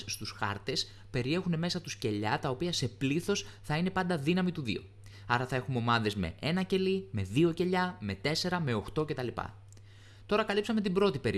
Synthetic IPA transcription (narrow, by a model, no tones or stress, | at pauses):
st̪usxɐ̰ɾt̪e̞s | pe̞ɾie̞xune̞me̞sɐt̪usce̞ʎɐt̪ɐo̞piɐse̞pliθo̞s | θɐine̞pɐnd̪ɐðinɐmit̪uðḭo̞̰ | ɐɾɐθɐe̞xumo̞mɐðe̞zme̞̰enɐce̞lime̞ðio̞ce̞ʎɐme̞t̪e̞se̞ɾɐme̞o̞xt̪o̞cet̪ɐlipɐ̰ | t̪o̞ɾɐkɐlipsɐme̞t̪ibɾo̞t̪ipe̞ɾ